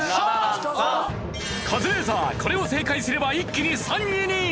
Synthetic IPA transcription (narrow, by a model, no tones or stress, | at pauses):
kʰadɯɾes̬ʰakʌɾeos̬ʰekʰaisʰiɾɯbaik͈ːinisʰaɲiɲi